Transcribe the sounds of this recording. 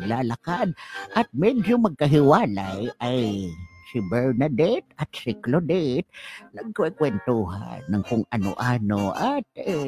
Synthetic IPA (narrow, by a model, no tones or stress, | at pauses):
ɡlalakad̪̚ʔat̪̚mɛd͡ʒʊmaɡ̚kaɦɪwaːlajʔajsɪbɛɹnad̪ɛt̪at̪sɪklod̪et̪̚laɡ̚kʊʔajkwɛnt̪uɦa̰nːaŋkʊŋʔano̰ʔanoʔat̪̚e